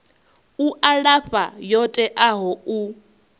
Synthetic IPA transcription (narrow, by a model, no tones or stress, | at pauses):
uʔaɺafajɔtʼɛʔaɦɔu